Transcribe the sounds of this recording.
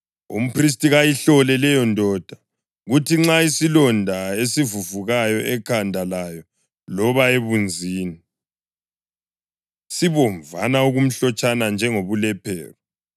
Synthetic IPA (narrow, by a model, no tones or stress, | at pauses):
ṵm̩pris̬tʼiɣajiɬɔlɛlɛjɔndʱɔːd̥ʱa | ɣutʰiŋ͡ǁaisilɔndʱaesivuvuɣajɔʔɛkʰandʱalajɔ | lɔβaeβund͡zʱiːni | siβɔɱvanauɣum̩ɬɔt͡ʃʼanand͡ʒʱɛŋoβulɛpʰɛːrɔ